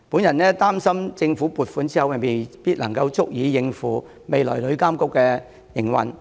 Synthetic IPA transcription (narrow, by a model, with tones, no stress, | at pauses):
puː˨˥njɐ˨˩nɛː˥t̪aː˥msɐ˥mt͡sɪ˧ŋfu˨˥puː˨t̚fuː˨˥nt͡si˥hɐ˨wɛ˨˩me˨jpiː˥t̚lɐ˨˩ŋkɐ˧wt͡sʊ˥k̚jiː˨˥jɪ˧ŋfuː˨˩ | me˨jlɔ̰ː˨˩jlɵ˨˧˥ɥkaː˥mkʊ˥kːɛː˧ | jɪ˨˩ŋwɐ̰˨˩n